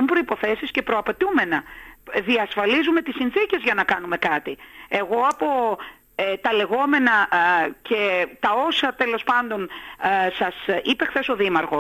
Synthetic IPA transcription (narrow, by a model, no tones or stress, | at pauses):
umpɾo̞ipo̞θe̞sisce̞pɾo̞ɐpe̞t̪ume̞nɐðiɐsfɐlizume̞t̪isinθice̞zʝɐnɐkɐnume̞kɐt̪ie̞ɣo̞ɐpo̞ | et̪ɐle̞ɣo̞me̞nɐce̞t̪ɐo̞sɐt̪e̞lo̞spɐnd̪o̞nsɐsipe̞xθe̞so̞ðimɐɾxo̞